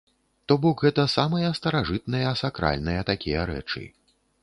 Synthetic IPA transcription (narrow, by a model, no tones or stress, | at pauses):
t̪ɔbɔkɣɛt̪ɐsamɐjɐst̪ɐɾaʐɨt̪̚nɐjɐːsakɾa̰lʲnɐjɐt̪akʲijɐɾɛ̰t͡ʂɨ̰